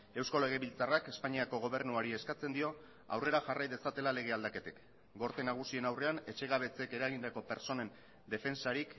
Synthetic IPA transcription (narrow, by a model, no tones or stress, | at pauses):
e̞wsko̞le̞ɣ̞e̞βilt͡sarake̞spaɲiako̞ɣo̞β̞e̞rnuaɾie̞skat͡se̞nd̪io̞ | a̰wre̞ɾaʝarajðe̞sat̪e̞lale̞ɣ̞e̞ald̪ake̞t̪ek | ɡo̞ɾt̪enaɣ̞usie̞nawre̞ane̞t͡ʃe̞ɣ̞aβ̞e̞t͡se̞ke̞ɾaɣ̞ind̪ako̞pe̞ɾt͡so̞ne̞n | d̪e̞fe̞nsaɾik